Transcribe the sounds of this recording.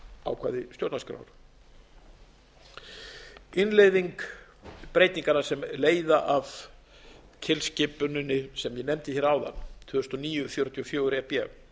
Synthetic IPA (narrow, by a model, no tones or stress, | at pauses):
a̰wkʰvaːðɪst̪jowt̪naskɾa̰wɾ̥ | ɪnlejðiŋk | pɾeːjt̪niŋkanḁsɛmleːjðaʔav | cʰɪlscɪpʏnʏnːɪsɛmjɛnɛmt̪ɪçɛːɾaːwða̰nt̪ʰvʏːst̪ɔniːjʏfjoɾt̪ʰiɔfjoːwɾɛpjɛ